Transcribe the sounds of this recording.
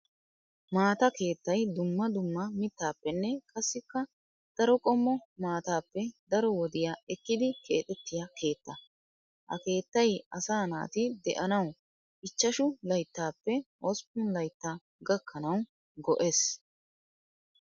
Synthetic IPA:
maːt̪ɐke̞ːt̪ːɐjd̪ʊmːɐd̪ʊmːɐmɪt̪ːaːpːɛnːɛkʼɐsːɪkːɐ | d̪̥ɐɾɔkʼɔmːɔmaːt̪aːpːɛd̪ɐɾɔwɔd̪ɪjaːɛkːɪd̪ɪkʰe̞ːt̪ʼɛt̪ːɪjɐkʰe̞ːt̪ːɐ | hɐ̰ke̞ːt̪ːɐjɐsaːna̰ːt̪ɪd̪ɛʔɐnɐw | ʔɪt͡ʃːɐʃʊlɐjt̪ːaːpːɛʔɔspʊnlɐjt̪ːaː | ɡɐkʰːɐnɐw | ɡɔʔes

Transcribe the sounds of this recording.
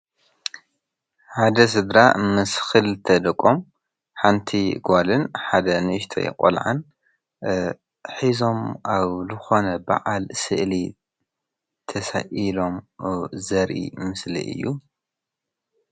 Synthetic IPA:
ħad̪ɐs̬ɨd̪ɾa̰mɨsxɨlt̪ʰɐd̪ɐkʼom | ħant̪ʰiɡʷalɨnħad̪ɐnɨɨʃt̪ʰɐ̰jɛ̰kʼo̰lʕa̰n | ħizo̞maβzɨxo̞nɐba̰ʕalsɨ̰ʔli | t̪ʰɐsa̰ʔilo̞mzɐɾʔḭmɨslḭʔɨ̰jːu

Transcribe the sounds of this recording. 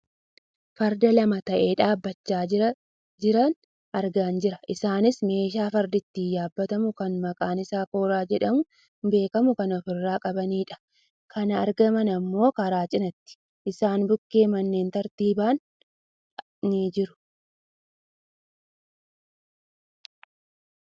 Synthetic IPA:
fɐɾd̪ɐlɐmɐt̪ɐʔe̞ːᶑaːbːɐt͡ʃːaː | d͡ʒɪɾɐn | ʔɐɾɡaːnd͡ʒɪɾɐʔɪsaːnɪsme̞ːʃ̬aːfɐɾd̪ɪt̪ːiːjaːbːɐt̪ɐmʊkɐnmɐkʼaːnɪsaːko̞ːɾaːd͡ʒɛᶑɐmʊ | be̞ːkɐmʊkɐnɔfɪrːaːkʼɐbɐniːᶑɐ̥ | kʰɐnɐɐɾɡɐmɐnɐmːo̞ːkɐɾaːt͡ʃʼɪnɐt̪ːɪ̥ | ʔɪsaːnbʊkːe̞ːmɐnːe̞ːnt̪ɐɾt̪iːbaːn | nid͡ʒɪɾʊ̥

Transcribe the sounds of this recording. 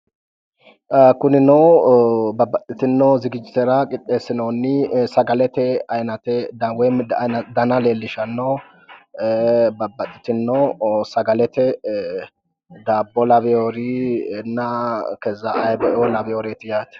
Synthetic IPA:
kʊnɪnɔwbɐbːɐt̪ʼːɪt̪ɪnːɔzɪɡɪd͡ʒɪt̪ɛɾɐkʼɪt̪ʼːeːsːɪnonːɪsɐɡɐlɛt̪ɛɐjnɐt̪ɛd̪ɐwɛmɐd̪ɐnɐleːlːɪʃɐnːɔ | bɐbːɐt̪ʼːɪ̥t̪ɪnːɔsɐɡɐlɛt̪ɛ | d̪aːbːɔlɐbɛoɾinːɐkɛzːɐːjbɐʔɔlɐbɛoɾet̪ɪjaːt̪ɛ̥

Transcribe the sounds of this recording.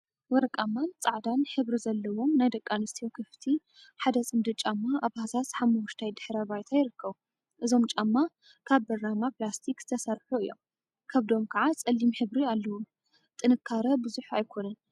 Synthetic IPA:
wɔɾɐkʼamːant͡sʼaʕd̪anħɨβɾizɐlːɐwo̞mnajd̪ɐkʼːanɨst̪ʰijokʰɨft̪ʰi | ħad̪ɐsʼɨmd̪ɨt͡ʃʼamːaʔaβhasasħamːuuʃt̪ʰajd̪ɨħɾɐβajt̪ʰajɪɾɨkʰːɐβu | ʔɨzo̞mt͡ʃʼamːa | kʰaβbɐɾamaplast̪ʰikz̥ɨ̥t̪ʰɐsɐɾħuɨjːo̞̰m | kʰɐβd̪o̞mkʰɐʕat͡sʼɐlːimħɨβɾialːɐwu | t̪ʼɨnɨkʰːaɾɐbɨzuħuajkʰo̞nɐn

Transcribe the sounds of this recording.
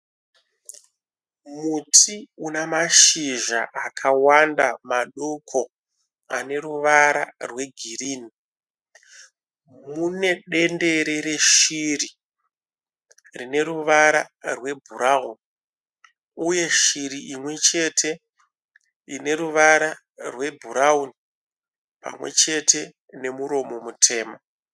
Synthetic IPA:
mutʰiunamaʃiʒa̰ʔakʰawandamaɗokʰo̞ | a̰ne̞ɾuʋaɾa̰rwe̞ɡʱiriːni | mune̞ɗe̞nde̞ɾeɾe̞ʃiri | rine̞ɾuʋaɾarwe̞bʱuɾauni | uje̞ʃiɾiimwe̞t͡ʃe̞tʰe̞ | ine̞ɾuʋaɾa | rwe̞bʱuɾauni | pa̰mwe̞̰t͡ʃe̞tʰe̞ | ne̞muɾo̞mo̞mutʰe̞ːma

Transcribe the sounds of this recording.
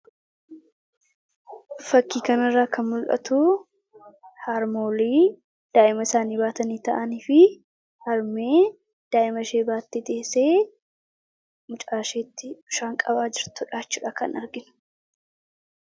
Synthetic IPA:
fɐkːiːkɐnɐrːaːkʰɐnmʊlʔɐ̰t̪ʊ | haɾmoːliː | d̪̥aːʔɪmɐɪsaːniːbaːt̪ɐniːt̪ɐ̰ʔɐniːfɪ | hɐɾme̞ː | d̪̥aːʔɪmɐʃe̞ːbaːt̪ːet̪eːseː | mʊt͡ʃʼaːʃeːt̪ːɪ̥ʊʃaːŋkʼɐbaːd͡ʒɪɾt̪ʊᶑaːt͡ʃːuːᶑaːkɐ̰nɐɾɡɪnʊ̥

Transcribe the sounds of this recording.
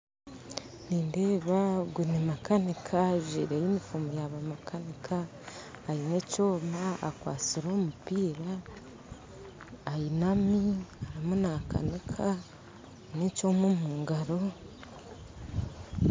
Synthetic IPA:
niːndeːβaɡwunemakanikʰaʒḭɾejimifumojaβamakanikʰaː | jinecoːmaa̰kwa̰ːt͡siɾoːmupiːɾa | jinamiaimunaːka̰nikʰa | necomumuːŋɡaɾo̞

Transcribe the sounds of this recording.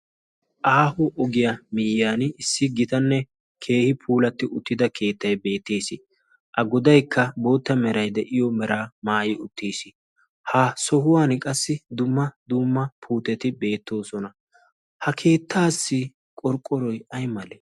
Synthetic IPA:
ʔaːhʊʔɔɡɪjɐmɪjaːnɪsːɪɡɪt̪ɐnːɛ | kʰe̞ːhɪpʰuːlɐt̪ːɪʔʊt̪ːɪd̪ɐkʰe̞ːt̪ːɐjbe̞ːt̪ːeːsɪ | ʔɐɡɔd̪ɐjkːɐbo̞ːt̪ːɐmɛɾɐjd̪ɛʔɪjɔmɛɾaːmaːjɪʊt̪ːeːsɪ̥ | haːsɔhʊwaːnkʼɐsːɪd̪ʊmːɐd̪ʊmːɐpʰuːt̪ɛt̪ɪbe̞ːt̪ːo̞ːsɔnɐ | hɐkʰe̞ːt̪ːaːsːɪ | kʼɔɾkʼːɔɾɔjɐjmɐlɛ

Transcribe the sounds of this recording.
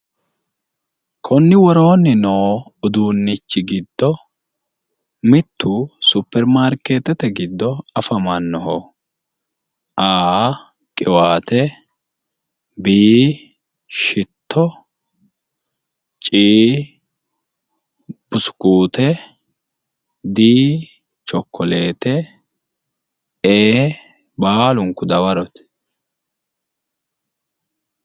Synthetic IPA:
kʰɔnːɪwɔɾo̞ːnːɪnoːʊd̪uːnːɪt͡ʃːɪɡɪd̪ːɔ | mɪt̪ʰːuːsʊpːɛɾmaːɾkeːt̪ɛt̪ɛɡɪd̪ːɔɐfɐmɐnːɔɦɔ | ʔaː | kʼɪwaːt̪ɛ | biː | ʃɪt̪ʰːɔ | t͡ʃʼiː | b̥ʊsʊ̥kuːt̪ɛ | d̪iː | t͡ʃʼɔkːɔleːt̪ɛ | eː | baːlʊŋkːʊd̪ɐwɐɾɔt̪

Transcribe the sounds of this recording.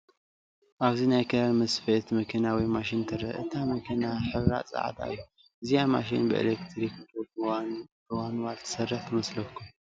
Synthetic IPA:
ʔaβzinajkʰɐamɐsfet̪mɐkʰɐnawɔjmaʃɪnt̪ʰɐɾɐʔɨ̰t̪ʰamɐkʰɐnaħɨɾa̰t͡sʼa̰ʕ̰d̪a̰jːu | ʔɨzijama̰ʃ̬ḭnbɨʔḛlekt̪ʰɾikt̪ʰobwant̪ɨwanwalt̪ʰɨ̥sɐrːɐħt̪ʰɨmɐslɐkʰːum

